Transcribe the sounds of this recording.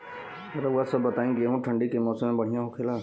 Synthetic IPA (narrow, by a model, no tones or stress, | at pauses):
eɾauasəbːət̪aːĩkiəɦũʈʰəɳɖikemɔːsəmẽbəɽ̤ijãɦokʰelaː